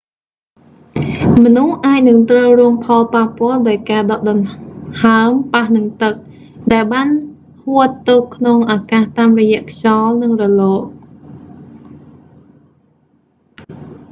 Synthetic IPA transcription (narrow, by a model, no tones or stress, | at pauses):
mɔnuhʔaːc̚nɨŋt̪rəwruəŋpʰɑlpahpŏəlɗaɔjkaːɗɑʔɗɑnhaəmpahnɨŋt̪ɨk̚ | ɗaɛlɓaːn | huət̪ːoːkʰːnoŋʔakaːht̪aːmrɔjɛ̆əʔkʰt͡ɕɑlnɨŋrɔlɔːʔ̚